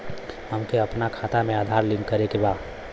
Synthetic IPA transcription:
ɦəmkeəpnakʰat̪amẽaːd̪ʱaɾlinkəɾekeba

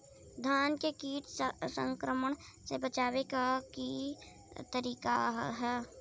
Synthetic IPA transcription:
d̪ʱaːnkekiːʈ̪sə̃ŋkɾəməɳ̃ | sebət͡ʃaːweɡaki | t̪əɾiːkaɦɛː

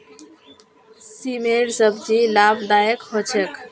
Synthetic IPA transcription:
simeɾsəbd͡ʒilabd̪ajəkɦot͡ʃʰek

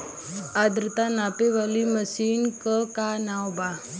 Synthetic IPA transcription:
ad̪ɾt̪anapeʋaliməsiːnkəkanawba

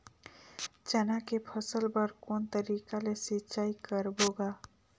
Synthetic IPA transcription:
t͡ʃɛnakepʰəsəlbəɾkont̪əɾikalesitːt͡ʃaikəɾboɡa

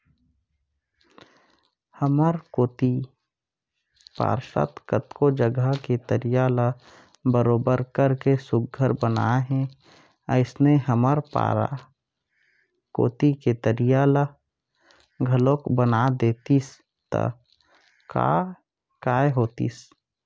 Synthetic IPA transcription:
həməɾkoːt̪i | pa̰ːɾʃa̰t̪kət̪kod͡ʒəɡəket̪əɾijalə | bəɾoːbəɾkəɾkesʊɡ̚ɡʱəɾbəna̰ɦɛ̃ | əɪsneɦəməɾpa̰a̰ | ko̰ːt̪iket̪əɾijalə | ɡʱəlokbənad̪eːt̪is | t̪ə̰ | ka̰ | kaːeɦoːt̪ḭs

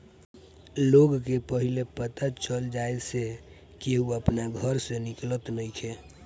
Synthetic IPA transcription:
loɡkepəɦilepət̪at͡ʃəld͡ʒaese | keɦuəpnaɡʱəɾseniklət̪nəjkʰe

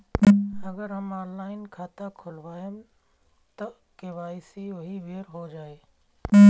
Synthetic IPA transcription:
ɐɡəɾɦəmaːnlaːɪnkʰaːt̪akʰʊlʋaːɦem | t̪ɐ | keʋaːsioɦiʋeːɾɦod͡ʒaːeː

